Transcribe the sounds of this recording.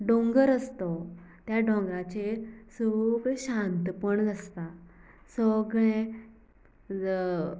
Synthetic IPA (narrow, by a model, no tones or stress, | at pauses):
ɖõŋɡəɾəst̪ɔt̪jaɖɔ̃ŋɡɾat͡ɕesəɡɭɛ̃ɕãnt̪pəɳɡʱəst̪a | səɡɭẽ